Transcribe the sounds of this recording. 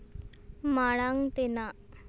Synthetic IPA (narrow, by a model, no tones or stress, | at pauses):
maɭ̃aŋt̪ena